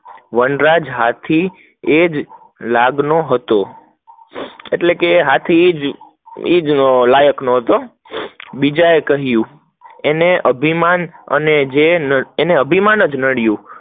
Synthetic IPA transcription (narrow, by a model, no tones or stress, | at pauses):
ʋənɾad͡ʒɦat̪ʰi | ed͡ʒ | laɡnoɦət̪o | eʈlekeɦat̪ʰiːd͡ʒ | id͡ʒnolajəknoɦət̪o | bid͡ʒaekəɦjũ | eneʔəbʱimanə̰ned͡ʒenəːneəbʱimanəd͡ʒnəɽjũ